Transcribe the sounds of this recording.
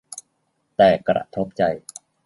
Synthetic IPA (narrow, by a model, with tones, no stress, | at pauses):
t̪ɛː˨˩kɾa̰˧˩ʔt̪ʰo˦˥p̚t͡ɕa˧j